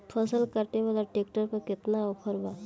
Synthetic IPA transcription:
pʰəsəlkəɾt̪eʋalaʈeːk̚ʈəɾpəɾkɪt̪naɔpʰəɾba

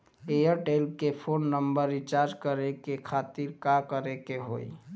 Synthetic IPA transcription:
ejəɾʈelkepʰoːnːəmbəɾːit͡ʃaɾd͡ʒkəɾekekʰat̪iɾkakəɾekeɦo̰ːi

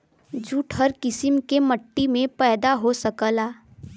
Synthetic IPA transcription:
d͡ʒuːʈʰɦəɾkɪsɪmkeməʈːimẽpɛːd̪aɦosɐkəlaː

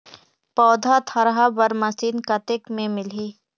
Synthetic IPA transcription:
pɔːd̪ʱat̪ʰɐɾɦabɐɾmɐsiːnkɐt̪ɪkmẽmɪlɦiː

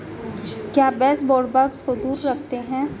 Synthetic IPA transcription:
kjaːbɛːsbɔːɖbɐkskod̪uːɾːɐkʰt̪eɦɛ̃ː

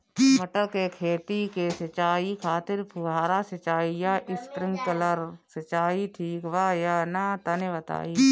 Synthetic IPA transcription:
mɐʈəɾkekʰeːt̪ikesɐt͡ʃaːikʰaːt̪ɪɾpʰuɡaːɾasɐt͡ʃaːijaʔɪst̪ɾɪ̃ŋɡkɐləɾsɐt͡ʃaːiʈʰiːkʋaːjaːnat̪ɐnebɐt̪a̰ːiː

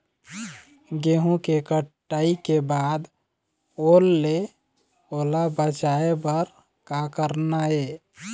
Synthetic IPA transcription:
ɡeɦũkekəʈː | aikebad̪ | olːe | olabət͡ʃaebəɾ | kakəɾnae

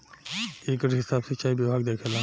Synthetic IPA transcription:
eːkəɾɦɪsaːbset͡ʃaːibjibʱaːɡd̪eːkʰelã

